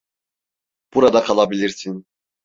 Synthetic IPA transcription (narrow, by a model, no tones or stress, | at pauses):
b̥uɾad̪akʰalˠabilʲiɾsin